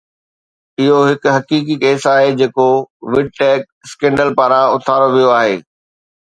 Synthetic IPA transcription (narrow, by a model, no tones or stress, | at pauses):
ɪɦoɦɪkʊɦɐkiːk̬ikeːsaːɦed͡ʑeːkoʋɪɖ̚ʈɛːk̚skɛ̃ːɳɖəlpaːɾãʊt̪ʰaːɾoʋijoaːɦeː